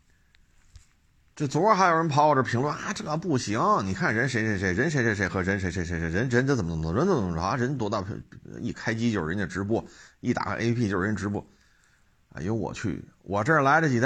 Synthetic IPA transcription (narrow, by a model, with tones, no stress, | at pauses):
ʈ͡ʂɤ˥˩t͡su˨˩wə˥˩xa˧˥ɪjo˨˩ʊə˧˥npʰɑ˧˥ʊwɔ˨˩ʈ͡ʂə˞˥˩pʰi˧˥ŋlwə˥˧na˥˧ʈ͡ʂɤ˥˩ɡə˧˥pu˥˩ɕi˧˩˥ŋ˥˧˩ni˨˩kʰa˥˩n˩ə˧˥nʂe˧˥ɪʂe˧˥ʂe˧˥ɪɻə˧˥nʂ̬ɛ˧˥ʂe˧˥˩ʂ̬e˧˥ɪxɤ˧˥ɻə˧˥nʂ̬e˧˥ɪʂ̬e˧˥ɪʂe˧˥ʂe˧˥ɪɻə˧˥nɻə˧˥nt͡st͡sə˨˩mə˥t͡sm˥˧˩ɻə˧˥nt͡sə˧˥˩ɻə˧˥nt̪wɔ˧˥t̪ɑ˥˩ʊ̰˧i˥˩kʰa˥ɪt͡ɕi˥t͡ɕjo˥˩ʊ˨ɻə˧˥nd̪ə˩ʈ͡ʂɻ̩˧˥p̬wɔ˥˩i˥˩t̪a̰˨˩kʰʔḛ˥pʰi˥t͡ɕjo˥˩ʊ˨ɻə˧˥nə˧ʈ͡ʂɻ̩̬˧˥wɔ̰˥˩ | a̰˧˩jo˧˥wɔ̰˨˩t͡ɕʰy̰˥˩wʔɔ˨˩ʈ͡ʂɤ˥˩˨la˧˥ɪɾə˩t͡ɕi˨˩˥